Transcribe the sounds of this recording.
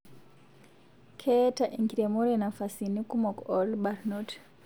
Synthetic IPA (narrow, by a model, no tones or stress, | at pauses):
kʰɛtaʔiŋɡiɾemɔɾenafasinikumɔkɔlbarnɔt